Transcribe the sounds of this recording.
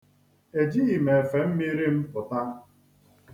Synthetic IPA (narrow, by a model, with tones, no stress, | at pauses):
e˨d͡ʒi˦ɣi˨me˨fe˨m̩˦mi˦ɾi˦m̩˦pʊ˨ta˦